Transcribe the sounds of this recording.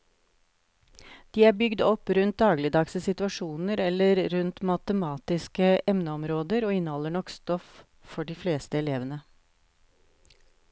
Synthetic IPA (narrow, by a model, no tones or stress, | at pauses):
d̪̥iːæːɾbʏɡd̪ɔpɾʉnt̪̚d̪ɑːɡlɪd̪ɑksəsɪt̪ʉɑʂuːnəɾɛlːəɾɾʉnt̪mɑt̪əmɑːt̪ɪskəʔɛmnəɔmɾoːd̪əɾoːɪnːəhɔlːəɳɔkst̪ɔf | fɔɖiːfleːst̪əɛleːʋənə